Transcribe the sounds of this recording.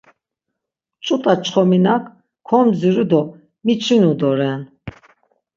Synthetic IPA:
t͡ʃʼut̪ʼat͡ʃʰʼχɔminakʰ | kʰɔmziɾud̪ɔ | mit͡ʃʰinud̪ɔɾɛn

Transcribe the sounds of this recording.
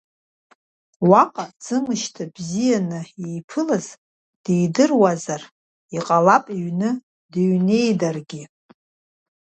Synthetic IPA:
waqʼad͡zɨmɨʃtʰabzijanɨejpʰɨlaz | d̥ejdɨrwazar | iqʼalapʼiɥnɨ | deɥne̞jdarɡʲi

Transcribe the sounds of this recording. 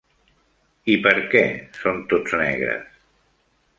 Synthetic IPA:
ipəɾkɛsont̪od͡znɛ̰ɣɾə̰s

